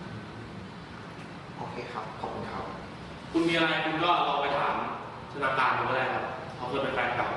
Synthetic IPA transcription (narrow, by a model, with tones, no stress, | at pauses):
ʔoː˧kʰeː˧xʰa˦˥p̚kʰɔː˨˩p̚kʰːu˧nkʰa˦˥p̚ | kʰu˧nmiː˧ʔa˧ɾa˧jkʰu˧nkɔː˥˩ɾa˧pa˧jt̪ʰaː˩˦m | sʰa˧naː˧˩kaː˧nu˧˦˥laː˧˩kʰa˦˥p̚ | kʰa˧wkʰɤː˧˩pe˧nka˧˩˧ka˨˩